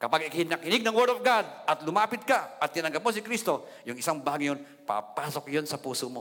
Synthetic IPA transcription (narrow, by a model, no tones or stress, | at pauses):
kɐpaɡɪkhɪnɐkɪnɪɡ̚nɐŋwɛɹd̪ovɡad̪̚ʔɐt̪lʊmaːpɪt̪̚kaʔɐt̪̚ːɪnɐŋɡɐp̚mosɪkɾist̪o̞ | jʊŋɪsaŋbaɡjon | pa̰paːsok̚jonsɐpuːsomo